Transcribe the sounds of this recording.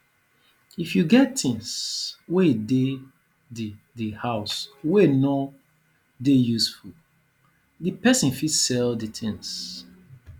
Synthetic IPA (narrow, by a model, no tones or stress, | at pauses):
ifjuɡɛttĩŋswede | d | dihaʊsweno | dejusful | dəpɛsĩnfidsɛlditʰĩŋs